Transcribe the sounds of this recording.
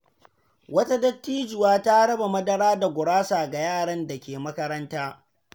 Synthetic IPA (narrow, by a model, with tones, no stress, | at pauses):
wɐ˦ta˦dɐ˦tːiː˦d͡ʒɪ˨waː˦ta˦ɽɐ˦ba˨mɐ˦dɐ˦ɽaː˦da˨ɡʷʊ˨ɽaː˦saː˨ɡa˨jaː˦˨ɽɐ˦nda˨kʲeː˨mɐ˦kɐ˦ɾɐ˦ntaː˦